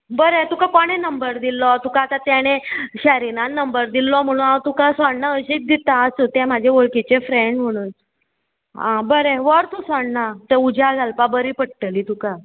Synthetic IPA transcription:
bəɾet̪ukakoɽ̃enəmbəɾd̪ilːɔt̪ukat̪at̪jaɽ̃eɕaɾinannːəmbəɾd̪ilːɔm̤əɽ̃ũːnawt̪ukasʋaɳnaəɕik̚d̪it̪aːsut̪ɛ̃m̤ad͡ʑʱeʋoɭkit͡ɕefɾeɳɖm̤əɽ̃uːn | ɦãbəɾeʋəɾt̪usaɳnat̪eud͡ʑaɡʱalpabəɾiːpəɽ̚ʈəliːt̪uka

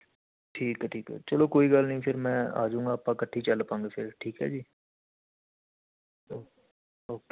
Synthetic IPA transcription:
ʈʰiːkɦɛːʈʰiːkɦɛ̰ːt͡ʃəloːkoːiːɡəlnəɦĩpʰɪɾmɛ̃ːa̰ːd͡ʒũːŋɡaːpãkəʈʰːit͡ʃəlpãːŋɡeːfʰɪɾʈʰiːkɦɛ̰ːd͡ʒiː | oː | oːke

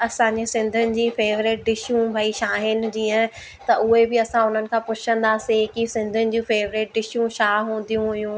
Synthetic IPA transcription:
ɐsãːɲd͡ʑesɪ̃nd̪ʱʊnɪ̆d͡ʑiːfeːʋɾɪʈ̚ɖɪʃjũbʱaːiʃaːɦɪnɪ̆d͡ʑiːə̃ | t̪ɐʔʊɦebɪɐsãʊn̤ənɪ̆kʰãːpʊt͡ɕʰə̃nd̪aːsekisɪ̃nd̪ʱənɪ̆d͡ʑĩfeːʋɾɪʈ̚ɖɪʃjũʃaːɦũːnd̪ijũɦʊjũ

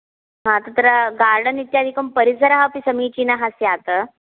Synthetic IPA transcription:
ɦãt̪ət̪ɾəɡaɾɽənit̪jad̪ʱikəmpəɾisəɾaɦapisəmit͡ɕiːnaɦasjat̪ə

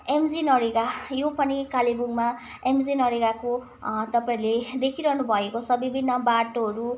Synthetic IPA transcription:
emd͡zinʌɾeɡajopʌnikalibuŋma | emd͡zinʌɾeɡako | t̪ʌpaĩɾled̪ekʰiɾʌɦnubʱʌekot͡sʰʌbibʱinːʌbaʈoɦʌɾu

